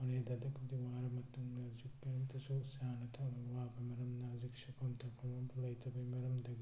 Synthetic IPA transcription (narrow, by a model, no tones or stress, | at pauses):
ɐneːd̪ɐd̪ɐkud̪iʋaːɾɐmɐt̪ːumnɐɾd͡ʒikːɐnɐmt̪ɐsusaːnɐt̪ʰɐʋaːpɐmɐɾɐmnɐɾd͡ʒikʂɐkɐmt̪ɐkɐmɐmt̪lɐjt̪ɐbɐmɐɾɐmd̪ɐɡ